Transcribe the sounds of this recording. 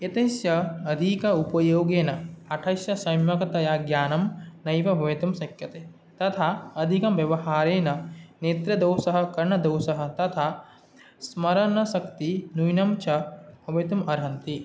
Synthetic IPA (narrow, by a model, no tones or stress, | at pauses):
et̪ɐsjɐɐd̪ʱikɐupɐjoːɡeːnɐɐʈʰɐsjɐsɐjmjɐkɐt̪ɐjaːɡjaːnɐmnɐjʋɐbʱɐʋit̪ɐmsɐkjɐt̪eː | t̪ɐt̪ʰaɐd̪ʱikɐmʋjɐʋɐɦaːɾeːnɐneːt̪ɾɐd̪ɐːwsɐɦɐ̆kɐɾɳɐd̪ɐwsɐɦɐ̆t̪ɐt̪ʰa | smɐɾɐnɐsɐkt̪inujnɐmt͡ʃʰɐbʱɐʋɐt̪ɐmɐɾɦɐnt̪i